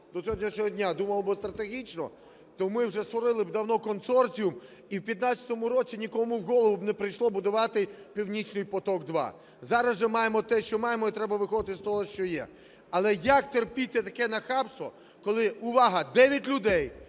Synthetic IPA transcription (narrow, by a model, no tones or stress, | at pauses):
d̪ɔsʲɔɔdʲnʲiʃnʲɔɦɔdʲnʲad̪umɐlˠbɔst̪ɾɐt̪eɦʲit͡ʃnɔ̰ | t̪ɔmɪwʒɛst̪ʋɔɾɪlˠɪbd̪ɐwnɔkɔnsɔrt͡sʲijʊm | iwpʲjɐt̪nat͡sʲɐ̥t̪ɔmʊɾɔt͡sʲinʲikɔmʊwɦɔlˠɔʋʊbnɛpɾɪjʃlˠɔbʊd̪ʊʋɑt̪ɪpʲiwnʲit͡ʃnɪjpɔt̪ɔɡd̪ʋɑ̰ | zɑɾɐzɪmɑjemɔt̪ɛʃt͡ʃɔmɑjemɔit̪ɾɛbɐʋɪxɔd̪ɪt̪ɪst̪ɔɦɔʃt͡ʃɔjɛ̰ | ɐlˠɛjɐkt̪erpʲit̪ːɛt̪ɐkɛnɐxɑpsʋɔ̰ | kɔlˠɪʊʋɑɦɐd̪ɛʋʲjitʲlʲʊd̪ɛj